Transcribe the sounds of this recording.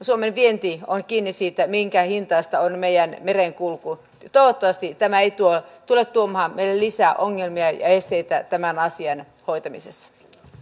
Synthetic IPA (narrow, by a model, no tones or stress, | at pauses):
suomenʋient̪ionkiːnːisiːt̪æmiŋkæhint̪ɑist̪ɑonmeijænmereŋkulku | t̪oˑiʋot̪ːoʋɑst̪it̪æmæeit̪uot̪ulet̪t̪ːuomɑhɑmeilellisæːʔoŋːelmiɑjɑ̰est̪eit̪æt̪æmænɑsiɑn | hoit̪ɑmisesːɑ̥